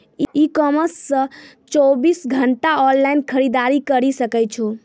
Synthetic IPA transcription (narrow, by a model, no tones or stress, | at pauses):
iikɔməsːə̃ | t͡ʃɔbisɡʱəɳʈaɔllaɪnkʰəɾid̪aɾikəɾisəkɛt͡ʃʰo